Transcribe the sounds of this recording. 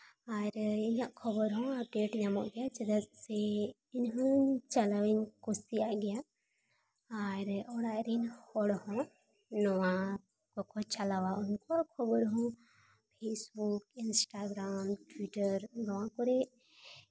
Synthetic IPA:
aɾiɲãʔkʰɔbɔɾɦɔ̃ap̚ɖeʈɲamɔ̰ʔɡɛjat͡ʃɛd̪at̪sɛ | inɦɔ̃t͡ʃalawɛnkɔsijaʔɡɛja | ɾɔɽaʔɾɛnhɔɽhɔ̃ | nɔwa | kɔkɔt͡ʃalawaunkɔkʰɔbɔɾɦɔ̃ | pʰesbukinsʈaɡɾamʈwiʈəɾɡɔwãkɔɾɛ

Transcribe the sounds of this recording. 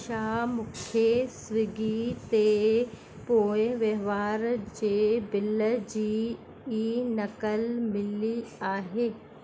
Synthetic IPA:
ʃaːmʊkʰjesʋɪɡit̪e | poːeʋeʋaːɾd͡ʒebɪld͡ʑiː | inɐkəlmɪliaːɦeː

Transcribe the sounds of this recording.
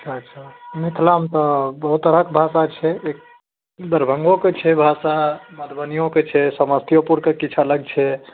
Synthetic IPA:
t͡ʃʰat͡ʃʰamit̪ʰlamt̪ɔbəɦut̪əɾəkbʱasat͡ʃʰɛek̚ | d̪əɾbʱəŋɡoket͡ʃʰɛbʱasaməd̪bənijõket͡ʃʰɛsəməst̪ʰijopuɾkekit͡ʃʰaləɡ̚t͡ʃʰɛ

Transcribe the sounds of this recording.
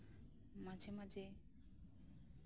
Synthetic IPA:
mad͡ʒemad͡ʒe

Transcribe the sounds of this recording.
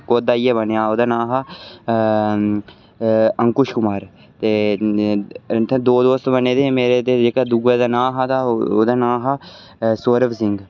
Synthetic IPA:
koːd̪aːieːbənejaːoːd̪aːnaːɦaː | ə̃ŋkʊʃkʊmaːɾ | t̪eː | t̪ːd̪oːd̪oːst̪bəneːd̪eːmeːɾet̪eːd͡ʒeːkaːd̪ʊɡeːd̪aːnaːɦat̪aːoːd̪aːnaːɦaː | soːɾəʋsɪŋɡ

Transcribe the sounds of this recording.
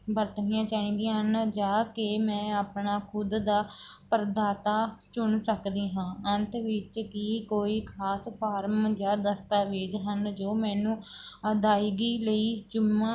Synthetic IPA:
bəɾt̪nijãːt͡ʃaːĩːnd̪ĩːɦənd͡ʒaːkɪmɛ̃ːaːpɳaːkʰʊd̪d̪aː | pəɾd̪aːt̪aːt͡ʃʊɳsəkd̪iːɦãːənt̪ʋɪt͡ʃkiːkoːiːkʰaːspʰaːɾmd͡ʒaːd̪əst̪aːʋeːd͡ʒɦənd͡ʒoːmɛ̃ːnũː | əd̪aːiɡiːləiːd͡ʒʊmːãː

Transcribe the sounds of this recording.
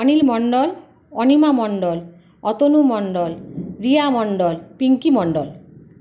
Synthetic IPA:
ɔnilmɔɳɖɔl | ɔnimamɔɳɖɔl | ɔt̪onumɔɳɖɔlɾiamɔɳɖɔlpiŋkimɔɳɖɔl

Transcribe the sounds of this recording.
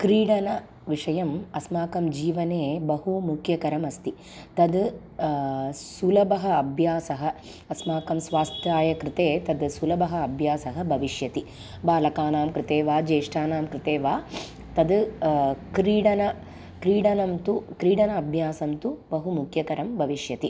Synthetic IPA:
kɾiːɽɐnɐ | ʋiʂɐjɐmɐsmaːkɐmd͡ʒiːʋɐneːbɐɦumukʰjɐkɐɾɐmɐst̪i | t̪ɐd̪ | sulɐbɐɦɐɐbʱjaːsɐɦɐ | ɐsmaːkɐmsʋaːst̪ʰjaːjɐkɾɪt̪eːt̪ɐd̪sulɐbɐɦɐɐbʱjaːsɐɦɐbʱɐʋiʂjɐt̪i | baːlɐkaːnaːmkɾɪt̪eːʋaːd͡ʒeːʂʈaːnaːmkɾɪt̪eːʋaː | t̪ɐd̪ | kɾiːɽɐnɐ | kɾiːɽɐnɐmt̪ukɾiːɽɐnɐːbʱjaːsɐmt̪ubɐɦumukʰjɐkɐɾɐmbʱɐʋiʂjɐt̪i

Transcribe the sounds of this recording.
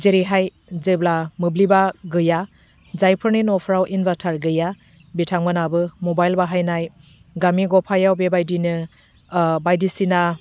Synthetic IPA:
zeɾiɦaj | zɯblamɯblibaɡɯja | zajpʰɯɾninɔpʰɾawʔinbatʰaɾɡɯja | bitʰaŋbɯnabɯmɔbajlbaɦajnaj | ɡamiɡɔpʰajawbebajdinɯ | bajdisina

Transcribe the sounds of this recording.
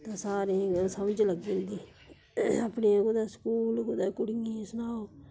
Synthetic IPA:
t̪ãːsaːɾẽːsəmd͡ʒləɡnd̪iː | əpneːkʊd̪aːskuːlkʊd̪aːkʊɽijẽːsʊnaːoː

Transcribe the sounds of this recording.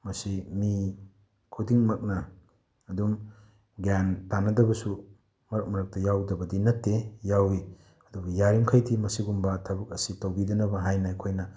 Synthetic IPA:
mɐsimi | kʰudiŋmɐk̚nɐː | dum | ɡjantanɐdɐbɐsu | mɐɾɐk̚mɐɾɐk̚tɐjawdɐbɐdinɐtːejawi | ɐdubɐjaɾimkʰajdimɐsiɡumbɐtʰɐbɐk̚ɐsitɐwbidɐnɐbɐɦajnɐjkʰojnɐ

